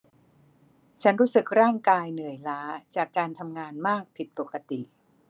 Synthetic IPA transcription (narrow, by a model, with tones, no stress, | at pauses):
t͡ɕʰa˦˥nɾuː˦˥sɯ˨˩k̚ɾaː˥˩ŋkaː˧jnɯ˨˩əjlaː˦˥t͡ɕaː˨˩kːaː˧nt̪ʰa˧mŋaː˧nmaː˥˩k̚pʰi˨˩t̪̚po˨˩ka˧t̪i˨˩ʔ